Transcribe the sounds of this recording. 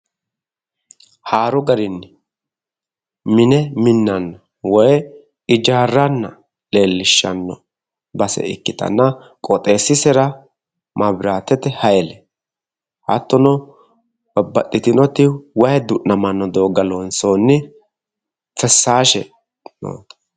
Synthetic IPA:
haːɾʊɡɐɾɪnːɪ | mɪnɛmɪnːɐnːɐ | wɔj | ɪd͡ʒaːrːɐnːɐ | le̞ːlːɪʃːɐnːɔ̰ | bɐsɛ̰ɪ̰kːɪt̪ɐ̰nːɐ | kʼɔt̪ʼe̞ːsːɪsɛɾɐ | mɐbɾaːt̪ɛt̪ɛhɐjɛlɛ | hɐt̪ːɔnɔ | bɐbːɐtʼːɪt̪ɪnɔt̪ɪwɐjɛd̪ʊʔnɐmɐnːɔd̪oːɡɐlonsoːnːɪ | fɛsːaːʃɛ̰ | no̰ː

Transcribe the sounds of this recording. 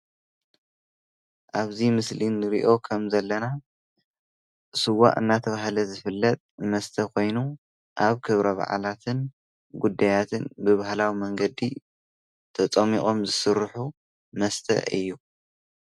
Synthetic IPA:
ʔaβzimɨslinːɨɾḭʔo̞kʰɐmzɐlːɐna | sɨwːa̰ʔʼɨnːat̪ʰɐβahlɐzɨfɨlːɐt̪ʼmɐst̪ʰɐkʰo̞jnu | ʔaβkʰɨβɾɐβa̰ʕa̰lat̪ʰɨn | ɡud̪ːajat̪ʰɨnbɨβahlawimɐŋɡɐd̪i | t̪ʰɐt͡sʼɐmḭʔʼomzɨsɨɾħu | mɐst̪ʰɐ̰ʔɨ̰jːu

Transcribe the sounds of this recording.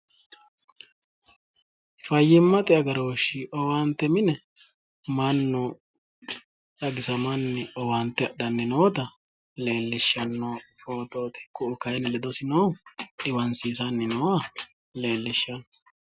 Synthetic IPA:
fɐjːɪmːɐt̪ʼɪɐɡɐɾoːʃɪʔɔwant̪ːɛmɪnɛ | mɐnːɔ | ᶑɐɡɪsɐmɐnːɛɔwant̪ːɛɐɗɐnːɪnoːt̪ɐ | le̞ːlːɪʃːɐnːɔfoːt̪oːt̪ɛ̥kːʊʊkɐjɛnɛlɛd̪ɔsɪnoːᶑɪwɐnsiːsɐnːɪnɔːɐ | le̞ːlːɪʃːɐnːɔ

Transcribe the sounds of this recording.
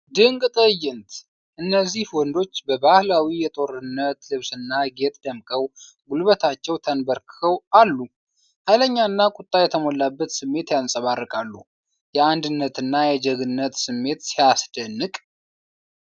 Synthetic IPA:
d̪ɨŋɡʼt̪ʼəjːɪnt̪ | ʔɨnːəzːihwɔnd̪o̞t͡ʃːbəbahlawijɛt̪ʼo̞ɾɨnːət̪lɨβsɨnːaɡe̞t̪ʼd̪əmkʼəw | ɡulβət̪ʰat͡ʃːɛwt̪ʰənbəɾkʰəwalːu | hajləɲːanːakʼut̪ʼːajɛt̪ʰəmolːabːət̪sɨmːe̞t̪jansʼəβarːəkʼalːu | jɛand̪ɨnːət̪ɨnːajɛd͡ʒəɡɨnːət̪sɨmːe̞t̪sijasd̪ənːɨkʼ

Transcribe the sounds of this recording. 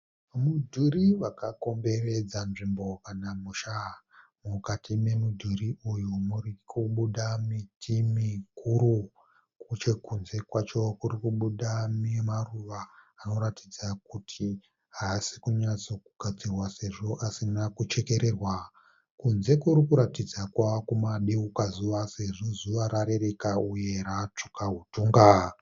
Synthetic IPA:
mudʱuriʋakako̞mbe̞re̞d͡zanʐimbo̞kanamuʃamukatime̞mudʱuriʔujumurikʰuɓuɗamitʰimikʰuɾu | kut͡ʃekunze̞kwat͡ʃo̞kurikuɓuɗamimaruʋaːno̞ɾatid͡zak̚utʰi | ɦasi̥kuɲat͡so̞kuɡ̥ʱad͡zirwase̞ʐo̞ʔasinakut͡ʃe̞ke̞ɾe̞rwa | kunze̞kuɾikuɾatid͡zakwakumaɗiukazuʋase̞ʐo̞zuʋaɾaɾe̞ɾe̞kauje̞rat͡ʂo̥kaɦutuːŋɡa

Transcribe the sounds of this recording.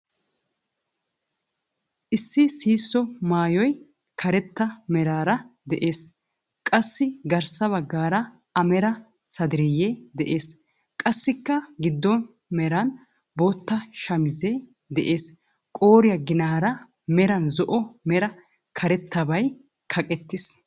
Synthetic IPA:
ʔɪsːɪsiːsːɔmaːjɔj | kʰɐɾɛt̪ːɐmɛɾaːɾɐ | d̪ɛʔeːs | kʼɐsːɪɡɐɾsɐβɐɡːaːɾɐ | ɐmɛɾɐ | sɐd̪ɪɾɪjɛd̪ɛʔe̞ːs | kʼɐsːɪkːɐɡɪd̪ːɔn | mɛɾɐn | boːt̪ːɐʃɐmɪzɛ | d̪ɛʔe̞ːs | kʼo̞ːɾɪjɐɡɪnaːɾɐ | mɛɾɐnzɔʔɔmɛɾɐ | kʰɐɾɛt̪ːɐbɐj | kʰɐkʼɛt̪ːɪs

